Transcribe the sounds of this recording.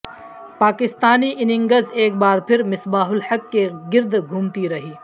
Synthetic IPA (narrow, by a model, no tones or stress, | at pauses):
paːkɪst̪aːniʔɪnɪ̃ŋɡəzeːk̚baːɾpʰɪɾmɪsbaːɦʊlhɐkːeɡɪɾd̪ɡʱʊmt̪iɾɐɦiː